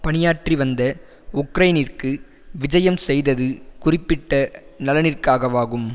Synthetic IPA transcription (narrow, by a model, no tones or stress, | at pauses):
pɐnɪjaːʈriʋɐnd̪ɐ | ʊkɾɐjnɪrkɯ | ʋɪd͡ʒɐjɐmsɛjðɐðɯkʊrɪpːɪʈːɐnɐlɐnɪrkaːɣɐʋaːɣɯm